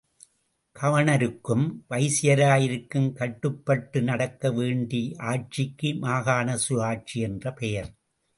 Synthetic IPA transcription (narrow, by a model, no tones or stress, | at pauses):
kʰɐʋɐɳɐɾɯkːɯmʋɐɪsɪjɐɾaːjɪɾɯkːɯmkɐʈːɯpːɐʈːɯnɐɽɐkːɐʋeːɳɖiʔaːʈ̚t͡ʃɪkːɯmaːɣaːnɐsʊaːʈ̚t͡ʃiɛndrɐpɛjɐɾ